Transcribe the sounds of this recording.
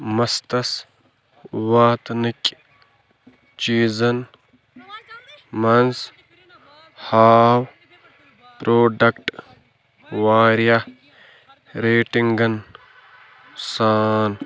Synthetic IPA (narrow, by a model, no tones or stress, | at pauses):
mɐst̪ɐs | waːt̪nikʲ | t͡ʃiːzɐn | mɐns | haːw | pɾoːɖɐkʈ | ʋaːɾja | ɾeːʈiŋɡɐn | saːn